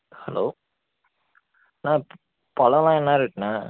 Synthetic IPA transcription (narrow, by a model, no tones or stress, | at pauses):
hɐ̰loː | nãː | pɐlɐ̃lãːɛnːaːɪɾɯkːnaː